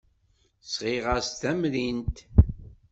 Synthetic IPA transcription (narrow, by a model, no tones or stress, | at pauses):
sʁiʁəst̪æmlint̪